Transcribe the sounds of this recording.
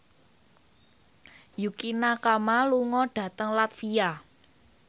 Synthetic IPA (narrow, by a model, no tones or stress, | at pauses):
jukinakamaluŋɔɖ̥ä̤t̪əŋlat̪sia